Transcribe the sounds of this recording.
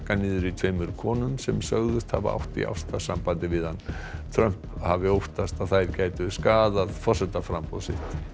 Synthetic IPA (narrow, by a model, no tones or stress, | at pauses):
kanɪːðʏɾit̪ʰveːjmʏɾ̥kʰɔːnʏmsɛmsœɣðʏst̪ha̰vaa̰wht̪ḭʔa̰wst̪asampant̪ɪvɪðant̪ʰɾœm̥phavɪowht̪ast̪aðθajɾcaːjt̪ʏskaːðaðfɔr̥sɛt̪afɾampɔðsɪ̰ht̪